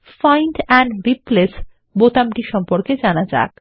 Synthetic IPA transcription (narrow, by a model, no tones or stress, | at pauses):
fajnʈɛɳɖɾiples | bot̪amʈiʃɔmpoɾked͡ʑanad͡ʑa̰k̚